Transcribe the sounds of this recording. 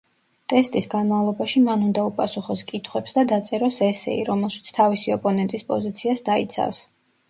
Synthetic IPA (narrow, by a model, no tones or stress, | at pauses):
t̪ʼɛst̪ʼisɡanmavlˠɔbaʃimanund̪aupʼasuχɔskʼit̪ʰχwɛpsd̪ad̪at̪sʼɛɾɔsɛsɛ̰iɾɔmɛlˠʃi̥t̪sʰt̪ʰavisiɔpʼɔnɛnt̪ʼispʼɔzit̪sʰiasd̪ait̪sʰa̰fs